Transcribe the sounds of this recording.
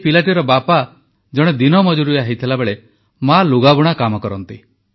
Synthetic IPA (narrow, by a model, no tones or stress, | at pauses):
pilaʈiɾɔbapa | d͡ʒɔɽ̃ed̪inɔmɔd͡ʒuɾujaɦit̪ʰilabeɭe | maluɡabuɽ̃akamɔkɔɾɔnt̪i